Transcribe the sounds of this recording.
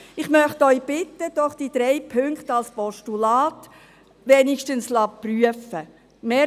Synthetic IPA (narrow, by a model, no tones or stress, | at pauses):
ɪχmœχtœʏb̥ɪtːəd̥ɔχd̥id̥̪ɾɛɪpʰʏŋkχtɑlspɔʃtulɑːt | ʋɛnɪʃtənslɑpryəfə | meː